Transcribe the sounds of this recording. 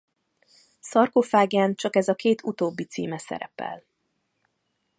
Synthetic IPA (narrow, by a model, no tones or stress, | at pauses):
sɒrkofaːɡjaːnt͡ʃɒkɛzɒkeːt̪ʰut̪oːbːit̪sḭːmɛsɛ̰ɾɛpɛ̰l